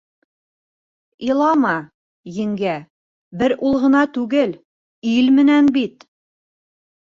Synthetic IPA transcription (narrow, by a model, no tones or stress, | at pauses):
ilˠɑmɑ | jɘ̆ŋɡæ | bɘɾulˠʁɤ̆nɑt̪ʉɡɘl | ilmɘ̆nænbit̪